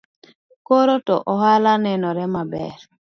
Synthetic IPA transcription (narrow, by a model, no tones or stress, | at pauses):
koɾotɔ̰ʔɔhalanɛnɔɾɛmabɛ̰ɾ